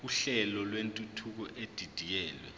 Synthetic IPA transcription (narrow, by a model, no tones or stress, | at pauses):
uɬɛlɔlwentʼutʰuk̬ɔʔed̥ʱid̥ʱijɛːlwɛ̰